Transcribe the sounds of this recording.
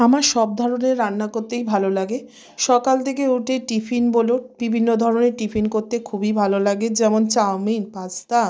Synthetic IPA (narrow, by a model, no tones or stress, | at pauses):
amaɾʃɔb̚d̪ʱɔɾoneɾːanːakoɾt̪ejbʱalolaɡe | ʃɔkalt̪ʰekeuʈeʈipʰinbolobibʱinːod̪ʱɔɾoneɾʈipʰinkoɾt̪ekʰubibʱalolaɡed͡ʑɛmont͡ɕawminpast̪a